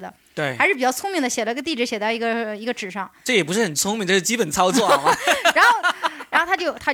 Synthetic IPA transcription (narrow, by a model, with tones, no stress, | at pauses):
d̪ə̰˩ | t̪we˥˩ɪa˧ɪʂɻ̩˥˩pi˨˩t͡ɕjɑ˥˩ʊt͡sʰʊ˥ŋmi˥˩ŋd̪ə˩ɕjɛ˨˩lə˧i˧˥ɡə˧t̪i˥˩ʈ͡ʂɻ̩˧˥˩ɕjɛ˨˩t͡sa˥˩ɪi˧˥ɡə˧i˧˥ɡə˧ʈ͡ʂɻ̩˨˩ʂɑ˥˩ŋʈ͡ʂɤ˥˩jɛ˨˩p̬u˧˥ʂɻ̩˥˩xə˨˩nt͡sʰʊ˥ŋmʲi˥˧ŋʈ͡ʂɤ˥˧˩ʂɻ̩˥˩t͡ɕi˥pə˨˩nt͡sʰɑ˥ʊt͡swɔ˥˩m˩a˧˥nxo˥˩ʊɻa˧˥xo˥˩t̪ʰt͡ɕjo˥˩ʊt̪ʰa˥